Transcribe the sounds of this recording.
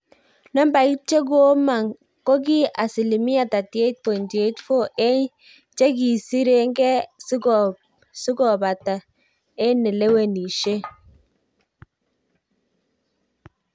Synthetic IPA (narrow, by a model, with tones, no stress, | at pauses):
nɔ˦mba˨i˦t͡ʃe˦ɡ̬o˦ma˨ŋ | ko˦ɡ̬i˦a˨si˨li˨mi˦a˨ta˨ti˨e˦t̚po˨ndi˨e˦tfo˦ʔe˦ɲ | t͡ʃe˦ɡi˨si˦ɾe˦ŋɡɛ˦s | su˦ɡɔ˨ba˨ta˨ | ɛ˦nɛ˨le˦we˦˨ni˨ʃe˦